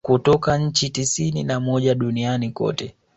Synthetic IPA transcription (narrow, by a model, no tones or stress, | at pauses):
kutɔkaɲ̩t͡ʃitisininamɔʄaɗunianikɔ̰tɛ